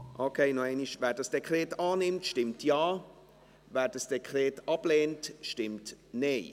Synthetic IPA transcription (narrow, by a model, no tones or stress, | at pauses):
ʔokʰeɪnoɛɪniʃvɛːɾdɐsd̥ekrɛːtɑːnɪmtʃtɪmtʰjaː | vɛːd̥asd̥ekʰrɛːtɑb̥leːntʃtɪmtneː